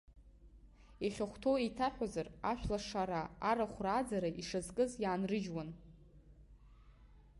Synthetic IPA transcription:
eχʲaχʷtʰoejtʰaħᶣazaraʃᶣʷlaʂaɾaːɾaχʷraːd͡zaɾaʔiʂazkʼɨzjaːnrɨʒwan

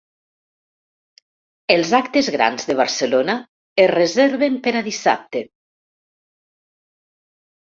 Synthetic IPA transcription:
elˠzakt̪ezɣɾa̰nzðəβ̞aɾsəlona | erezeɾβempeɾaðisa̰p̚t̪e

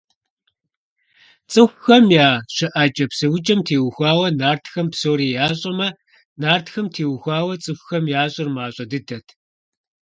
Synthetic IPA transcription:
t͡sʼɨxʷxɐmjaːɕɪʔat͡ʃʼɐpsɨwʊd͡ʒʼɐmtʰeːwʊxʷaːwɐnaːrtxɐmpsoːɾiːjaːɕʼɐmɐ | naːrtxɐmtʰeːwxʷaːwɐt͡sʼɨxʷxɐmjaːɕʼɪrmaːɕʼɐdɨdɐtʰ

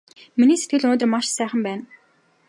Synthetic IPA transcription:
miniːset̪̚ɡɘ̆ɮɵnoːt̪ə̆rmaʃsæːχə̆mpæːn

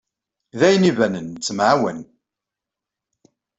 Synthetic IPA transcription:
ðæjnivænənt͡sːəmʕawən

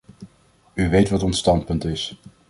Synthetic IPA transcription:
yʋejtʋɑtɔnstɑnt̚pɵntɪs

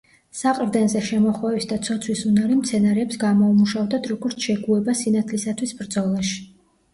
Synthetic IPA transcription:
saqʼɾd̪ɛnzɛʃɛmɔχwɛvisd̪at̪sʰɔt̪sʰwisunaɾimt̪sʰɛnaɾɛːpsɡamɔumuʃavd̪ad̪ʰɾɔɡɔɾt̪sʰʃɛɡuɛbasinat̪ʰlisat̪ʰwisbɾd̪zɔlˠaʃi̥

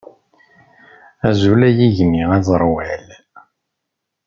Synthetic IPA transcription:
æzulæjiʝniæzˤɾˤwæl

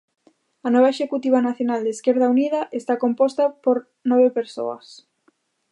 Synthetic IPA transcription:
ɐnɔβaeʃekut̪iβanaθjonald̪eskeɾð̞auniðɐʔest̪akompɔst̪ɐpoɾ | nɔβepeɾso̰ɐ̰s

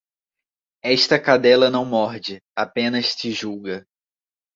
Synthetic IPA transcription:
ɛʃt̪ɐkad̪ɛlɐnɐ̃w̃mɔɾd͡ʒɪapẽnɐst͡ʃ̪ɪʒuɡɐ

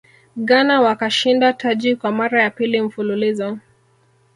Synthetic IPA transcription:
ɠanawakaʃindatʰad͡ʒikwamaɾajapilim̩fululizɔ

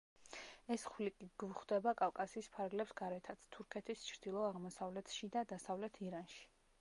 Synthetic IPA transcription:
ɛsχlikʼiɡ̥vuχd̪ɛbakʼafkʼasiːspʰaɾɡlɛpsɡaɾɛt̪ʰat̪sʰt̪ʰuɾkʰɛt̪ʰist͡ʃʰɾd̪̥ilˠɔaʁmɔsavlɛt̪ʰʃid̪ad̪asavlɛt̪ʰiɾanʃi̥

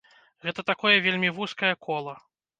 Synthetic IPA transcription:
ɣɛt̪ɐt̪akɔjɐvʲelʲmʲivuskɐjɐkʰɔlˠɐ

